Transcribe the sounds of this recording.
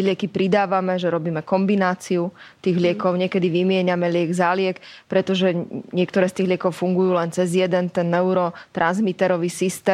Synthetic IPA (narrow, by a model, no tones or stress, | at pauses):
ɛlɪɛkipɾid̪aːʋamɛʒɛɾɔbiːmɛkɔmbinaːt͡siut̪iːɣlɪɛkɔʊɲɪɛkɛd̪iʋimɪɛɲamɛlɪɛɡzalɪɛkpɾɛt̪ɔʒɛɲɪɛkt̪ɔɾɛːst̪iːɣɦlɪɛkɔʊfuŋɡujuːlɛnt͡sɛzjɛd̪ɛnt̪ɛnːɛuɾɔt̪ɾʔanzmit̪ɛɾɔʋisist̪ɛː